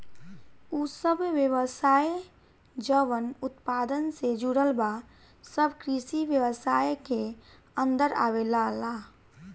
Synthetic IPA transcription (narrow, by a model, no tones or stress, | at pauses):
usəbʋjəʋəsaːe | d͡ʒəʋənʊt̪paːd̪ənsed͡ʒuɽəlba | səbkɾisiʋjəwəsaːjeke | ə̃nd̪əɾa̰ːʋelalaː